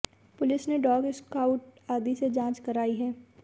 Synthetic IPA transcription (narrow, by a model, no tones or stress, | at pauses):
pʊlɪsneɖɔːɡɪskaːʊʈaːd̪ised͡ʒãːt͡ʃkɐɾaːiɦɛː